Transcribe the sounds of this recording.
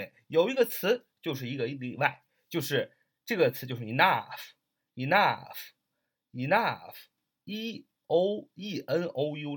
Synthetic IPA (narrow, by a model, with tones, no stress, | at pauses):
jo˨˩ʊi˧˥ɡə˧t͡sʰɹ̩˧˥t͡ɕjo˥˧ʊʂ̬ɻ̩˥˩i˧˥ɡə˧i˥˩li˥˧wa˥˩ɪ | t͡ɕjo˥˧ʊʂɻ̩˥˩ | ʈ͡ʂɤ˥˩ɡə˩t͡sʰɹ̩˨˧˥jo˥˧ʂ̩˥˩i˧˩na˥˩f | i˨˩na˥˧˩f | i˧˨˩na˥˩f | i˥ | o˧˥ʊi˥˩ʔə˥no˧˥ʊju˥